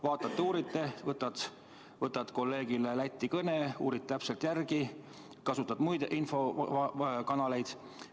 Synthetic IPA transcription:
vɑːt̪ːˑɑt̪ːeuːɾit̪ːˑe̞vɤt̪ːˑɑt̪ | vɤt̪ːˑɑt̪ko̞lːe̞ːɡ̥ilelæt̪ʲːikɤneuːɾit̪̚ːæpse̞lt̪jærɡ̥i | kɑsut̪ːˑɑd̪mujd̪ʔinfo̞ | kɑnɑle̞jd̪̥

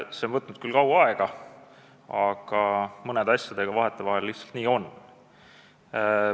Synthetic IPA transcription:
se̞o̞nvɤt̪nud̪̥̚kylkɑwɑe̞ɡ̥ɑ | ɑɡ̥ɑmɤne̞d̪ɑsjɑd̪̥e̞ɡ̥ɑvɑɦe̞t̪ːˑe̞vɑɦe̞lːiht̪sɑ̥lt̪niːo̞n

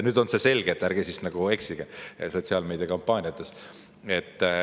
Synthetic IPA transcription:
nyːd̪̥o̞nse̞se̞lʲɡ̥et̪ːˑæɾɡ̥esisnɑɡ̥ueksiɡ̥ɑso̞t̪ʲsiɑːlme̞ːd̪iɑkɑmpːˑɑːnʲjɑt̪ːˑes | e̞t̪ː

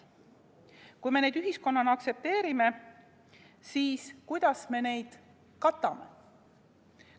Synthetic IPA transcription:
kujme̞ned̪yɦisko̞nːɑnɑkse̞p̚t̪e̞ːɾime̞ | siːskujd̪̥ɑsme̞ne̞jd̪̥ | kɑt̪ːˑɑme̞̰

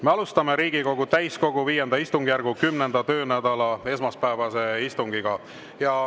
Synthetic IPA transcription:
me̞ɑlust̪ɑme̞ɾiːɡiko̞ɡ̥ut̪æjsko̞ɡ̥uviːje̞nd̪̥ɑist̪uŋɡ̥ijærɡ̥ukymne̞nd̪̥ɑt̪ø̞ːnæd̪̥ɑlɑe̞s̬mɑspæevɑse̞ist̪uŋɡ̥iɡ̥ɑ | jɑ

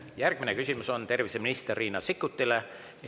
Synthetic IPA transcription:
jærɡ̥minekysʲimuso̞nt̪e̞rviseminist̪erːiːnɑsikːˑut̪ːile | j

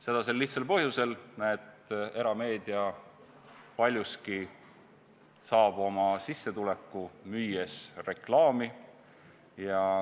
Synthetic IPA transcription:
se̞d̪̥ɑselːiht̪selpɤɦjuse̞lnet̪e̞ɾɑme̞ːd̪iɑ | pɑlʲjuski | sɑːb̥o̞mɑsisːe̞t̪ule̞kːˑumyːjesre̞klɑːmi | jɑ

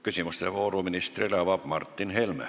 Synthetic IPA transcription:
kysimyst̪ḛʋoːruminist̪rilɑʋɑpmɑrt̪ːinhelmæ̰

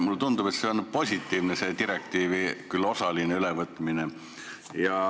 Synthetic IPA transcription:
mulːt̪und̪ube̞t̪se̞o̞npo̞sʲit̪ːˑiːvnese̞t̪iɾe̞kt̪iːvikylːo̞sɑlineylevɤt̪ːˑmine | jɑ

